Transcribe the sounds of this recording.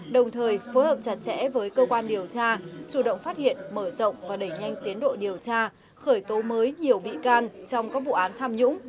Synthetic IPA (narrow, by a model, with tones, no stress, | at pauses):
ɗə˨˩wŋ͡mt̪ʰəː˨˩jfo˨˦jhəː˨˩p̚t͡ɕa˨˩t̚t͡ɕɛ̰˧˥vəː˨˦jkəː˧kwaː˧nɗi˨˩əwt͡ɕaː˧t͡ɕu˧˩ɗə̰˧˨wŋ͡mfaː˦˥t̚hḭ˧˨ənməː˧˩zə̰˧˨wŋ͡mvaː˨˩ɗə˧˩jɲa˧jŋ̟t̪i˨˦ənɗo̰˧˨ɗi˨˩əwt͡ɕaː˧ | xəː˧˩jt̪o˨˦məː˨˦jɲi˨˩əwvḭ˧˨kaː˧nt͡ɕɔ˧wŋ͡mkaː˦˥k̚vṵ˧˨ʔaː˨˦nt̪ʰaː˧mɲʊ̰˧˥ŋ͡m